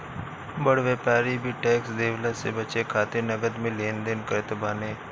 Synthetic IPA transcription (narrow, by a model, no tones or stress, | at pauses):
bəɽʋeːpaːɾibʱiʈɛːksd̪eːʋlasebɐt͡ʃekʰaːt̪ɪɾnɐɡəd̪mẽleːnd̪enkəɾt̪baːneː